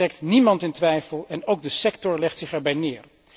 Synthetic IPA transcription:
ɛk̚tnimɑntɪntʋɛjfəlˠɛnowɡ̚dəsɛktɔɹlɛχtsɪχɛɹbɛjnɪːɹ

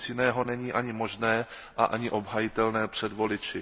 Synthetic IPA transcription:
t͡sjɪnɛːɦo̞nɛɲiːʔaɲɪmo̞ʒnɛː | ʔaʔaɲɪʔo̞bɦajɪt̪ɛlnɛːpr̝̥ɛdvo̞lɪt͡ʃɪ

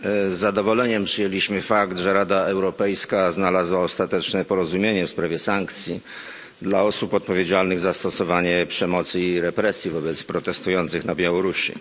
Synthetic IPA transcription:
zːad̪ɔvɔlɛɲɛmpʂɘjelʲiɕmɘfakt̪ʐɛɾad̪aɛwɾɔpɛjskaznalazwaɔst̪at̪ɛt͡ʂnɛpɔɾɔzumʲjeɲɛfspɾavʲjɛsaŋkt̪sʲji | d̪laɔsupɔt̪̚pɔvʲjed͡ʑalnɘɣzast̪ɔsɔvaɲɛpʂɛmɔt̪sɘiɾɛpɾɛsʲjivɔbɛt̪spɾɔt̪ɛst̪ujɔnt̪sɘxnabʲjawɔɾuɕḭ

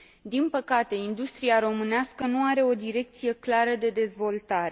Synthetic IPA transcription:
d̪inpəkat̪e̞ind̪ust̪ɾiaɾo̞mɨneaskənuaɾe̞o̞d̪iɾe̞k̚t̪sije̞klaɾəd̪e̞d̪e̞zvo̞lt̪aɾe

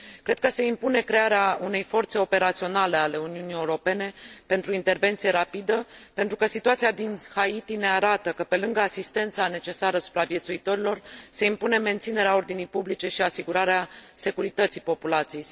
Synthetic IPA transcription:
kɾe̞d̪̚kəse̞impune̞kɾe̞aɾeaune̞jfo̞rt̪se̞o̞pe̞ɾat̪sio̞nale̞ale̞uniunije̞uɾo̞pe̞ne̞pe̞nt̪ɾuint̪e̞rve̞nt̪sije̞ɾapid̪əpe̞nt̪ɾukəsit̪uat̪siad̪inhait̪ine̞aɾat̪əkəpe̞lɨŋɡəasist̪e̞nt̪sane̞t͡ʃe̞saɾəsu̥pɾavjet̪suit̪o̞ɾilo̞rse̞impune̞me̞nt̪sine̞ɾeao̞rd̪inijpublit͡ʃe̞ʃiasiɡuɾaɾease̞kuɾit̪ət̪sijpo̞pulat̪sijej

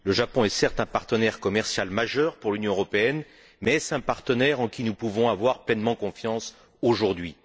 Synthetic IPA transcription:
ləʒapɔ̃ɛsɛʁt̪ɛ̃paʁt̪ənɛʁkɔmɛʁsjalmaʒœʁpuʁlynjɔ̃øʁɔpeɛn | mɛsɛ̃paʁt̪ənɛʁɑ̃kʲinupuvɔ̃avwaʁplɛnmɑ̃kɔ̃fjɑ̃s | oʒuʁd̪ɥi

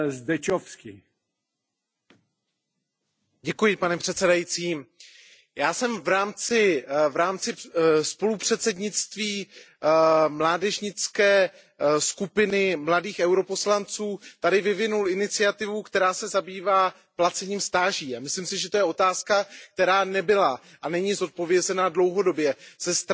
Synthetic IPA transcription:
zd̪ɛt͡ʃofskɪ | ɟɛkujɪpanɛpr̥ɛt̪sɛdajit͡siː | jaːsɛmvɾaːmt͡sɪvɾaːmt͡sɪspo̞lupr̥ɛt̪sɛdɲɪt͡st̪viː | mlaːdɛʒɲɪt͡skɛː | skupɪnɪmladiːxɛwɾo̞po̞slant͡suːt̪adɪvɪvɪnulɪnɪt͡sɪat̪ɪvukt̪ɛɾaːsɛzabiːvaː | plat͡sɛɲiːmst̪aːʒiːamɪslimsɪʒɛt̪o̞jɛo̞t̪aːskak̚t̪ɛɾaːnɛbɪla | ʔanɛɲɪzo̞t̪̚po̞vjɛzɛnadlo̞wɦo̞do̞bjɛsɛst̪

